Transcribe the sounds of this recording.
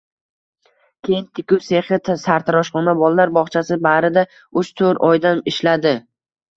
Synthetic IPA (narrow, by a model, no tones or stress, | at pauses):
kʲʰe̞jɪnt̪ʰɪkʲʊwse̞χɪt̪ʰsaɾt̪ʰaɾɒʃχɒnabɒlˠalaɾbɒχt͡ʃʰasɪbaɾɪd̪a | ʊʃt̪ʰɵɾɒjd̪anɪʃlad̪ɪ